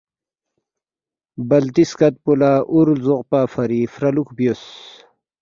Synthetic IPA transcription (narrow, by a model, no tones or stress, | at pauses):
bɐlt̪iskɐt̪̚pulaːʔuɾlzuqpaːfɐɾifɾɐlukbjos